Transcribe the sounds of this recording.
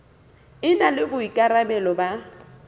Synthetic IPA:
ɪnalɪbʊikʼaɾabɛlɔba

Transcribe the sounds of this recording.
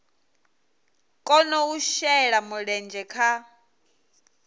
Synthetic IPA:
kʼɔnɔuʃɛɺamuɺɛnd͡ʒʱɛkʰa

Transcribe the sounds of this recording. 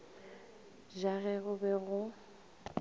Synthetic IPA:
ʒaɣɛɣʊbɛɣʊ

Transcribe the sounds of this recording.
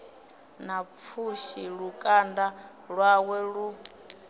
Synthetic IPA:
nap̪fʰuʃiɺukʼanda | ɺwawɛɺu

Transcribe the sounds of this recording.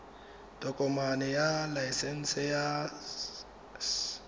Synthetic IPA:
d̥ɔkʼɔmanɛjalajsɛn̩sɛja

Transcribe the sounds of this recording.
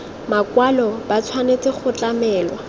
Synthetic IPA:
makwalɔb̥at͡sʰwanet͡sʼɪχʊt͡ɬʼamɛːlwa

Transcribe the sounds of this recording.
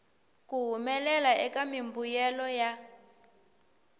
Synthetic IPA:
kuɦumɛlɛlaʔɛkamimbujɛlɔja

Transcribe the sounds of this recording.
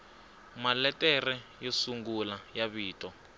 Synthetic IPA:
malɛtʼɛrɛjesuŋɡulajaβiːtʼɔ

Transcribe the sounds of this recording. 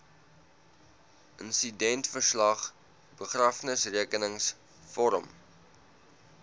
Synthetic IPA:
ʔənsidɛntfərslɐχ | bəχrɐfnəsriəkənəŋs | fɔɾə̰m

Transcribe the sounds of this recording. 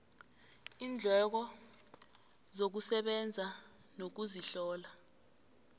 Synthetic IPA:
iːnd͡ɮʱɛk̬ɔ | zok̬usɛɓɛnd͡zʱa | nok̬uziɬɔːla

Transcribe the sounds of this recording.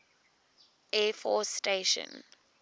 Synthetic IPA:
ɛfɔsteʃə̰̃n

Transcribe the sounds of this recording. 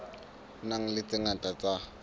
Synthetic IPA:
naŋ̩lɪt͡sɪŋatʼat͡sa

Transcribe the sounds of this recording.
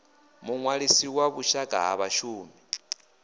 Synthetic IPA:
muŋwaɺisiwaβuʃakʼa̰ɦa̰βaʃuːmi

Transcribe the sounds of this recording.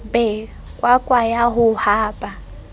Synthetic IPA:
bɛ | kʼwakʼwajaɦʊhaːbʼa

